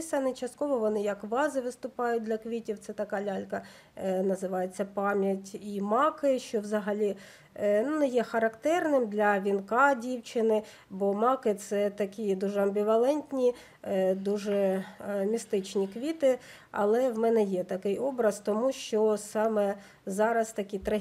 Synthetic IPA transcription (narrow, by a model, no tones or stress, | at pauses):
sɐnɪt͡ʃɐst̪kɔʋɔʋɔnɪjɐkʋɑzɪʋɪst̪ʊpɑjʊt̚ʲdlʲɐkʋʲitʲiwt̪sɛt̪ɐkɑlʲɑlʲkɐ | nɐzɪʋɑjet͡sʲːɐpɑmʲjɐtʲimɑkɪʃt͡ʃɔwzɐɦɐlʲi | nunɛjɛxɐɾɐkt̪ɛrnɪmd̪lʲɐʋʲinkɑdʲiwt͡ʃɪnɪ | bɔmɑkɪt̪sɛt̪ɐkʲid̪uʒɛɐmbʲiʋɐlˠɛnʲtʲnʲi | d̪uʒɛmʲist̪ɪt͡ʃnʲikʋʲit̪ɪ | ɐ̰lˠɛwmɛnɛjɛt̪ɐkɪjɔbɾɐz̥t̪ɔmuʃt͡ʃɔsɑmɛ | zɑɾɐst̪ɐkʲit̪ɾɐ